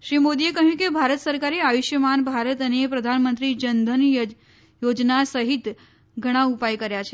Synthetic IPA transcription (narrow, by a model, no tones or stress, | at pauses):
ʃɾimod̪iekəɦjũkebʱaɾət̪səɾkaɾeaʋiʃjəmanbʱaɾət̪ənepɾəd̪ʱanmənt̪ɾid͡ʒənd̪ʱən | jod͡ʒnasəɦit̪ | ɡʱəɽ̃ãupajkəɾjat͡ʃʰe